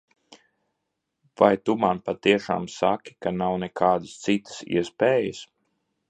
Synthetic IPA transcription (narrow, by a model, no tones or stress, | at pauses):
vajt̪umanpat̪iɛʃa̰ːmsakʲi̥kanawnɛkʰaːd̪ɨst̪sit̪ə̥sḭɛspeːjəs